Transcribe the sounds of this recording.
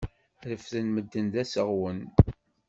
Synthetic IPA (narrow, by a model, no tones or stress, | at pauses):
ɾəfðənməd̪ːənd̪æsəʁwən